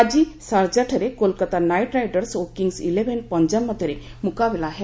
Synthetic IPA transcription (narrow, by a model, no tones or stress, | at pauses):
ad͡ʑisaɾd͡ʑaʈʰəɾekolkət̪anajʈɾajɖəɾsokiŋɡsileʋenpəɲd͡ʑanmːəd̪ʱəɾe | mukabelaɦe